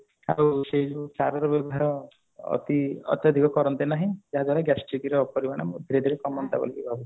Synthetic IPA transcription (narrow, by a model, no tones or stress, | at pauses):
a̰wsed͡ʒusaɾɔɾɔbɔbʱaɾɔ̰ː | t̪iɔ̰t̪jad̪ʱikɔkɔɾɔnt̪enaɦĩd͡ʒaɦad̪waɽaɡɛsʈikiɾɔpɔɾibaɽ̃amd̪ʱiɾed̪ʱɔɾekɔmɔnt̪a̰bɔ̰likibʱabu